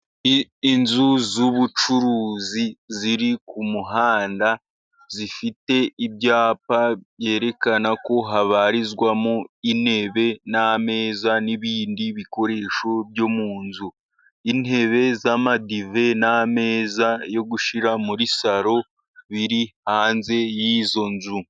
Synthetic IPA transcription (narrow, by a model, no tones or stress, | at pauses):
nzuzuβut͡ʃuɾuːziziɾikumuɦaːnda | zifite̞ibɟaːpaβjeːɾe̞kanako̞ɦaβaɾizɡwamoin̥he̞βe̞name̞ːzaniβiːndiβiko̞ɾe̞ːʃo̞bjo̞muːnzu | ine̞βe̞zamadive̞name̞ːzajo̞ɡuʃiɾamuɾisaɾo̞ | βiɾihaːnze̞jizo̞nzu